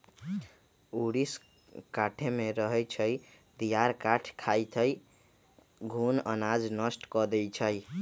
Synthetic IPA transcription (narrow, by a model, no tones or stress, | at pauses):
uɽis | kaʈʰemeɾəɦɛt͡ʃʰəj | t̪ijaɾkaʈʰkʰajt͡ʃʰəj | ɡʱunənad͡ʒnəsʈkɔd̪ɛjt͡ʃʰəj